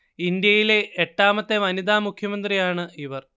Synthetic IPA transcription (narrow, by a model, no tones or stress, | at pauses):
ind̪jɐjile̞ʔːʈːaːmɐt̪ːe̞ʋɐnid̪aːmukʰjɐmɐnd̪rijaːɳɨiʋɐr